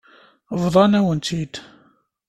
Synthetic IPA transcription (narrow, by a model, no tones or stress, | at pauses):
vðˤɑnæwənt̪ʰid̪